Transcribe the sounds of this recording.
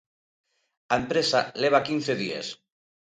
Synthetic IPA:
aempɾesaleβ̞akinθeðiḛs

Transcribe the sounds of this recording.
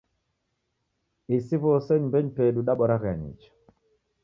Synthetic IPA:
isivosɛɲmbɛɲpeɗuɗaɓɔɾaɣa̰ɲḭt͡ʃḁ

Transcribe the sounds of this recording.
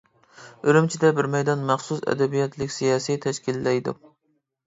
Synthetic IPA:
øɾymt͡ʃʰid̪ɛbɪɾmɛjd̪ɑnmæχsusɛ̰d̪ɛbijɛt̪ʰlɪkʲsijɑːsijt̪ʰɛʃkʲilːɛjd̪ṵ

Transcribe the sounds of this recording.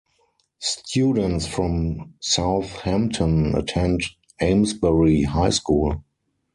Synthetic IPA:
stʰjuːdə̃ntsfɹɔ̃msaʊθhæ̃mptʰə̃nə̰tʰɛ̃nd | ẽɪ̃msbɛɹiɦaɪskuːl

